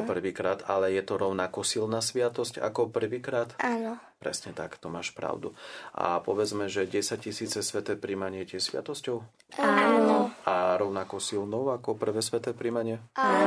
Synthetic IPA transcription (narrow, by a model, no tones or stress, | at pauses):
pr̩ʋiːkɾaːd̪alɛjɛt̪ɔɾɔʊnakɔsilnaːsʋɪat̪ɔsca̰kɔpr̩ʋiːkɾaːt̪aːnɔ | pɾɛ̰sɲɛt̪akt̪ɔmaːʃpɾa̰ʊd̪ṵʔa̰pɔʋɛd͡zmɛʒɛɟɛsaccisiːt͡sɛsʋɛt̪ɛːpɾimaɲɪɛcɪɛʃsʋɪa̰t̪ɔscɔʊ | anaɾɔʊnakɔsilnɔʊakɔpr̩ʋɛːsʋɛt̪ɛːpɾimaɲɪɛa